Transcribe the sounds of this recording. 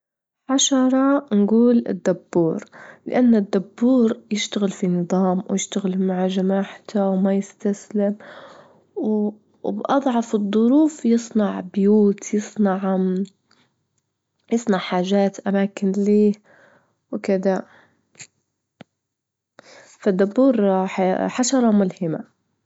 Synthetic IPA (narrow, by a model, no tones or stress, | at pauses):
ʕaʃɑɾˤɑnɡuːlɪ̰d̪ːabːuːɾlɪ̰ʔanːad̪ːabːuːɾjɪʃt̪aɣɪlfinɨðˤɑːmwjɪʃt̪aɣɪlmaʕaʒamaːħt̪awmajɪst̪aslɪm | w | bʔɑd̪ˤʕɑfɨðd̪ˤːʊɾuːfjɨsˤnɑʕbjuːt̪jɨsˤnɑʕ | jɨsˤnɑʕħaːʒaːt̪ʔamaːkɪnliː | wkɪd̪a | fad̪ːabːuːɾħħaʃɑɾˤɑmʊlhɪma̰